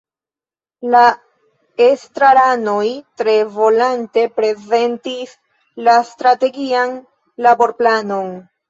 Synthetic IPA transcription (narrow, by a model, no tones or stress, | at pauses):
la | estɾaɾano̞jtɾe̞vo̞lante̞pɾe̞ze̞ntis | lastɾate̞ɡian | labo̞ɾplano̞n